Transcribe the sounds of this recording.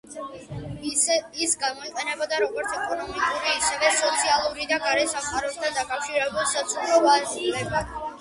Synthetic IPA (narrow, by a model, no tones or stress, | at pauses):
isɡamɔiqʼɛnɛbad̪aɾɔɡɔɾt̪sʰɛkʼɔnɔmikʼuɾiːsɛvɛsɔt̪sʰialˠuɾid̪aɡaɾɛsamqʼaɾɔst̪ʰand̪akʼafʃiɾɛbulˠsat̪sʰupʰɾɔvad͡ʒulɛbḁ